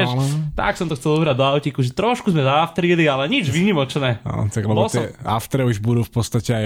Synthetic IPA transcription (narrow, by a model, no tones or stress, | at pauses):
t̪a̰ksɔmt̪ɔxt͡sɛlubɾaɟd̪ɔaʊcikuʒɛt̪ɾɔʃkuzmɛzaaft̪ɾiːlialɛɲid͡ʒʋiɲimɔt͡ʃnɛːa̰t̪aɡlɛbɔlɔsɔɛa̰ft̪ɾɛuʒbud̪uːfpɔt̪st̪acɛaj